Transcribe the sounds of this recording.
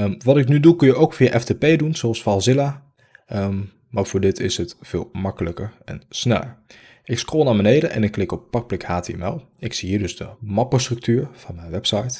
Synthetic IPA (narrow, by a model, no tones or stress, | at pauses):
ʋɑtɪknydukɵnjəʔowkfijaʔɛftepejdunz̥oɑlˠsfalˠzɪla | maːɹv̥ʊːɹdɪtɪsɦətfɪːlˠmɑkələkəɹɛ̰nsnɛ̰lə̰ɹ | ʔɪkskroːlˠnaːɹbənejdənʔɛ̰nɪkːlɪkɔpːɑk̚plɪkhaːtḛɛ̰mɛ̰lˠ | ɪksiɦiːɹdɵzdəmɑpəstrɵk̚tyːɹv̥ɑnmɛjnʋɛpsɑjt